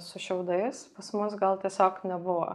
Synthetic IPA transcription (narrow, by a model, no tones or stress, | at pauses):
sʊʃʲɛʊd̪ɐɪspɐsmʊs̬ɡɐlˠt̪ʲiɛsʲoːknʲɛbʊʋo̰ː